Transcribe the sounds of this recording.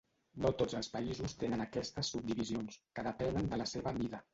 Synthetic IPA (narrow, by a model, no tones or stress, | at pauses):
not̪ozəlˠspəizust̪enənəkɛst̪əsːub̚d̪iβizionskəðəpɛnənd̪ələseβəβiðə